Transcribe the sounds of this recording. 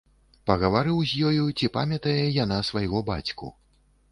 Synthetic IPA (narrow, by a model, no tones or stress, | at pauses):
pɐɣɐvaɾɨwzʲjɔjut͡sʲipa̰mʲɐt̪ɐjɛjanasvajɣɔba̰t͡sʲkṵ